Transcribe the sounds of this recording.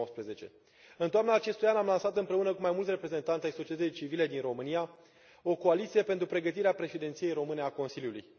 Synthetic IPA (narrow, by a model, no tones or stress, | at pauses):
ospɾeze̞t͡ʃe̞̰ | ɨnt̪oamnaːt͡ʃe̞st̪ujanamlansat̪ɨmpɾe̞unəkumajmult̪sʲre̞pɾe̞ze̞nt̪ant̪ʲajso̞t͡ʃiet̪ət̪ijt͡ʃivile̞d̪inro̞mɨnija | o̞ko̞alit̪sije̞pent̪ɾupɾe̞ɡət̪iɾeapɾe̞ʃid̪e̞nt̪sije̞jɾo̞mɨne̞ako̞nsiljulṵj